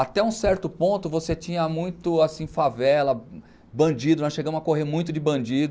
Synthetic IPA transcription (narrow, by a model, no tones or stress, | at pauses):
at̪ɛũsɛɾt̪ʊpõnt̪ʊvoset͡ʃĩɲɐmũj̃t̪ʊasĩfavɛlɐ | bɐ̃d͡ʒid̪ʊnɔsʃeɡɐ̃mʊzɐkoɦeɾmũj̃t̪ʊd͡ʒɪbɐ̃d͡ʒid̪ʊ